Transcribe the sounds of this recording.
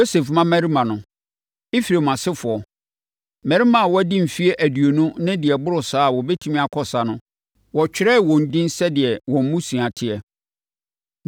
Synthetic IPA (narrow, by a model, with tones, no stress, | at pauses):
jo˦se˨fmã˦mɛ˨ɾi˦mã˨nʊ̃˨ | ɪ˦fɾe˨mã˨sɪ˦fʊ˨ɔ˨ | mæ̃˨ɾi˦mã˨wɔ˦æ˦dɪ̃˦m̩˨fi˦e˦ʔæ˨dɥo˨nũ˦nɪ̃˦dɪ˨ɛ˨bʊ˦ɾʊ˨saː˦˨wɔ˨bɛ˦tʰu˦mĩ˦a˨kʰɔ˨sa˨nʊ̃˦ | wɔ˨t͡ɕᶣɪ˦ɾɛ˦˨wɔ̃˨n̩˨dɪ̃˦n̩˦sɛ˦dɪ˨ɛ˨wɔ̃˨m̩˦mũ˦sĩ˨a˨tʰɪ˦ɛ˨